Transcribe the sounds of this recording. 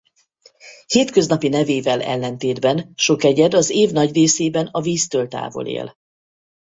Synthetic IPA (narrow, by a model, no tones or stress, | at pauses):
heːt̪kø̞znɒpinɛveːvɛlɛ̰lːɛnt̪eːd̪bɛnʃo̞kɛɟɛd̪ɒzeːvnɒɟreːseːbɛnɒviːst̪ølt̪a̰ːvo̞̰lḛːl